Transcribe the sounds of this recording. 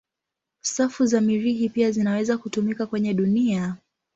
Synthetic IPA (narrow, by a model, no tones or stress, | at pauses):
safuzamiɾiɦipiazinawɛzakutumikakwɛɲɛɗunia